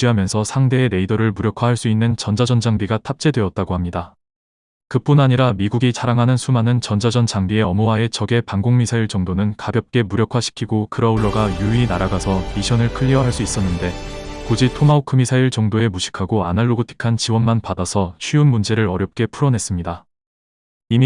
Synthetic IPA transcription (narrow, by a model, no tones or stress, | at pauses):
iɦamjʌnsʰʌsʰaŋde̞ːne̞idʌɾɯɭmuɾjʌkʰwahaɭs͈uinːɯnt͡ɕʌnd͡ʑad͡ʑʌnd͡ʑaŋbiɡatʰap̚t͡ɕ͈e̞dwe̞ʌt̚t͈aɡohamɲida | kɯp͈unaɲiɾamiɡuɡit͡ɕaɾaŋɦanɯnsʰumanɯnt͡ɕʌnd͡ʑad͡ʑʌnd͡ʑaŋbie̞ʌmʌwae̞t͡ɕʌɡe̞paŋɡoŋmisʰaiɭt͡ɕʌŋdonɯnkabjʌp̚k͈e̞muɾjʌkʰwaɕʰi̥kʰiɡokɯɾʌuɭːʌɡajuʎːinaɾaɡasʰʌmiɕʰʌnɯɭkʰɯʎːiʌɦaɭs͈uis͈ʌnːɯnde̞kod͡ʑitʰomaokʰɯmisʰaiɭt͡ɕʌŋdoe̞muɕʰi̥kʰaɡoanaɭːoɡotʰi̥kʰant͡ɕiwʌnmanpadasʰʌɕʰɥiunmund͡ʑe̞ɾɯɾʌɾjʌp̚k͈e̞pʰuɾʌnɦe̞s͈ɯmɲida | imi